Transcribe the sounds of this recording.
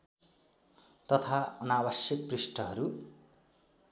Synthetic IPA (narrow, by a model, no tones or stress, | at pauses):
t̪ʌt̪ʰaʌnabʌsjʌk̚prisʈʌɦʌɾu